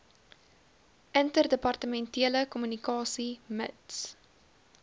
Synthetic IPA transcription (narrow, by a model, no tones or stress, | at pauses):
ʔəntərdəpɐrtəmɛntiələkɔmynikɑːsiməts